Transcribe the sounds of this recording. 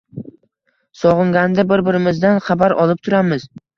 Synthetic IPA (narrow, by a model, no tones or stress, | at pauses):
sɒʁɨŋɡʲand̪abɪɾbɪɾɪmɪzd̪anχabaɾɒ̰lˠɪp̚t̪ʰʊɾamɪz